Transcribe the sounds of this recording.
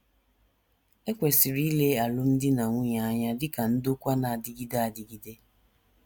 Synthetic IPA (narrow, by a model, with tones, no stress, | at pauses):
e˦kʷe˨si˨ɾi˦le˦a˨lʊ˦n̩˦dɪ˦na˨ŋʷu˦ɲa˨a˦ɲa˦dɪ˦ka˨n̩˦do˦kʷa˦na˨a˨dɪ˨˦ɡi˦da˦a˨dɪ˨ɡi˨de˦